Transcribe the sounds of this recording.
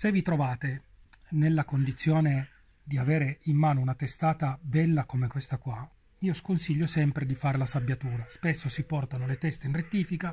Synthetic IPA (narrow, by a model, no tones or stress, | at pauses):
sevːit̪ɾovaːt̪e | nelːakond̪it̪sːjoːne | d̪iaveːɾeimːaːnounat̪est̪aːt̪abɛlːakomekwest̪akwa | iːoskonsiʎːosɛmpɾed̪ifaːɾelasabːjat̪uːɾaspesːosipɔrt̪anolet̪ɛst̪einret̪ːiːfika